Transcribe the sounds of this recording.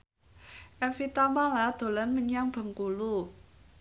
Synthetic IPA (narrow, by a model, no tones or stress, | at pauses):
ʔɛfit̪amalad̪̥o̤lanməɲaŋb̥ə̤ŋkulu